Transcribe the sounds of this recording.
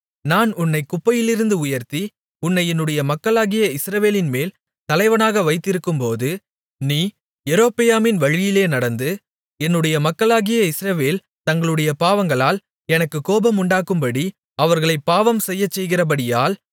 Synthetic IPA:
naːnʊnːɐɪkːʊpːɐjɪlɪɾɯnd̪ɯʊjɐɾt̪i | ʊnːɐɪɛnːɯɽɐjɐmɐkːɐɭaːɣɪjɐɪsɾɐʋeːlɪnmeːl | t̪ɐlɐɪʋɐnaːɣɐʋɐɪt̪ːɪɾɯkːɯmpoːðɯ | niː | ɛɾoːpɪjaːmɪnʋɐɻɪjɪleːnɐɽɐnd̪ɯ | ɛnːɯɽɐjɐmɐkːɐɭaːɣɪjɐɪsɾɐʋeːl | t̪ɐŋɡɐɭɯɽɐjɐpaːʋɐŋɡɐɭaːl | ɛnɐkːɯkːoːbɐmʊɳɖaːkːɯmpɐɽi | ɐʋɐɾɣɐɭɐɪpːaːʋɐmsɛjːɐt͡ʃːɛjɣɪrɐp̬ɐɽɪjaːl

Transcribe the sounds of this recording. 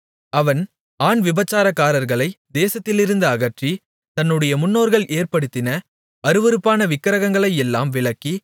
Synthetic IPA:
ɐʋɐn | aːɳʋɪbɐt͡ʃːaːɾɐkːaːɾɐɾɣɐɭɐɪd̪eːsɐt̪ːɪlɪɾɯnd̪ɐːɣɐʈri | t̪ɐnːɯɽɐjɐmʊnːoːɾɣɐɭʔeːɾpɐɽɯt̪ːɪnɐ | ɐɾɯʋɐɾɯpːaːnɐʋɪkːɐɾɐɣɐŋɡɐɭɐɪɛlːa̰ːmʋɪɭɐkːi

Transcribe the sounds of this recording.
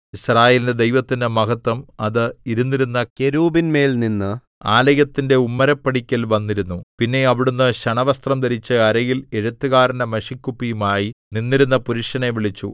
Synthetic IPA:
israːjeːlinded̪ejʋɐt̪ːinɨmɐɣɐt̪ːwɐmɐðɨiɾunːiɾunːɐkeɾuːbinme̞ːlninːɨ | a̰ːlɐjɐt̪ːinde̞umːɐɾɐpːɐɽikʲːɐlʋɐnːiɾunːupinːe̞ɐʋiɽunːɨɕɐɳɐʋɐst̪rɐmd̪ɐɾit͡ɕːɨɐɾɐjile̞ɻut̪ːɨɣaːɾɐnɐmɐʂikʲːupːijumaːjininːiɾunːɐpuɾiʂɐneʋiɭit͡ɕːṵ

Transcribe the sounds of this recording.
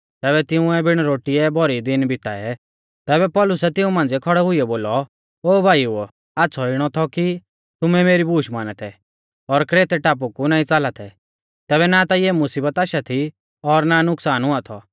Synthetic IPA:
t̪ɛːβɛt̪ɪũɛbɪɽ̃ɾoːʈiɛbʱɔɾid̪ɪnbʱɪt̪aɛ | t̪ɛːbɛpɔːlʊsɛt̪ɪũmãːnd͡zɛkʰɔɽɛɦʊiɛboːlɔ | oːbʱaːju | aːtːsʰɔɪɽ̃ɔt̪ʰɔki | t̪ʊmɛmeːɾibuːʃmaːnɛt̪ʰɛ | ɔɾkɾeːt̪ɛʈaːp̬ukunaːĩt͡saːlat̪ʰɛ | t̪ɛːβɛnat̪aiɛmʊsiːbət̪aːʃat̪ʰi | ɔɾnanʊksaːnɦʊat̪ʰɔ

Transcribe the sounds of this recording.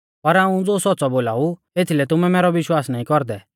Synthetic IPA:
pɐɾaːũd͡zoːsɔtːt͡sɔboːlaːu | eːt̪ʰilɛt̪ʊmɛmɛːɾɔʋɪʃwaːsnaːĩkɔɾd̪ɛ

